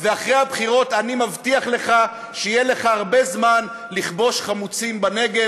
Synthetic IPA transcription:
veaχʁehabχiʁo̞tanimavtiaχle̞χa | ʃejele̞χaaʁbe̞zman | liχbo̞ʃχamut͡simbane̞ɡe

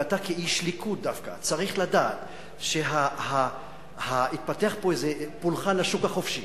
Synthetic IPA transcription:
atakeiʃlikʰut̚dafka̰t͡saʁiχladaːt̪ | ʃeɦaha | hait̪̚pateaχpoezepulχanlaʃukhaχo̞fʃi

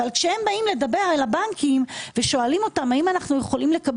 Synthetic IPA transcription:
valkʃehe̞mbaimle̞dabe̞ʁelabaŋkʰimveʃo̞alimo̞tamaimanaχnuje̞χo̞limle̞kab

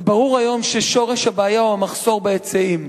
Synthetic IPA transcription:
baʁuʁajo̞mʃeʃo̞ʁe̞ʃhabaːjauamaχso̞ʁbajet͡seim

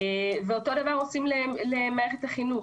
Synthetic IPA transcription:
veo̞to̞davaʁo̞simlelemaːʁeχethaχinu

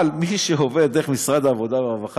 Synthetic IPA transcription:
lmiʃeɦoved̪eʁeχmisʁad̪aːvo̞d̪avevaχ

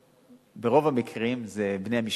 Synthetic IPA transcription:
beʁo̞vamikʰʁimzebnejhamiʃ

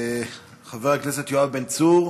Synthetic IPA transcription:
χaveʁakneset̪joavbent͡suʁ

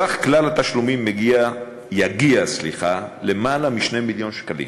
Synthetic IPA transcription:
aχklalat̪aʃlumimːeɡia | jaɡiaslḭχale̞malamiʃne̞miljo̞nʃkalḭm

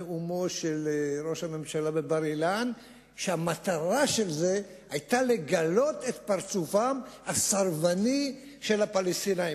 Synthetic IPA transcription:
umo̞ʃelʁo̞ʃhame̞mʃalabe̞baʁilan | ʃeamat̪aʁaʃe̞lze̞ | ajt̪ale̞ɡalo̞t̪et̪paʁt͡sufamhasaʁvani | ʃe̞lhapalest̪inai

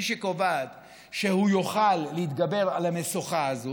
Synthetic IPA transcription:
ʃekovad̪ | ʃehujoχalːeit̪ɡabe̞ʁalamesoχaazo

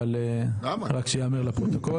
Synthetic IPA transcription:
aleamaʁakʃejameʁlapʁot̪oko

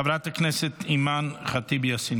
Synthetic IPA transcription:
avɾataknɛsɛtimanχatibjasin

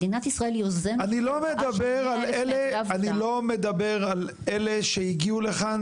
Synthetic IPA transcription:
inat̪isʁaeljozeanilo̞med̪abeʁaleleanilo̞me̞d̪abe̞ʁal | eleʃeiɡiule̞χa

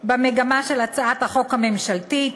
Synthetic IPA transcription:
bemeɡamaʃe̞lat͡saʔat̪haχo̞khame̞mʃaltit

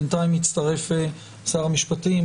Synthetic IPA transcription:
ntaimit͡st̪ɐʁe̞fe | saːʁamiʃpati

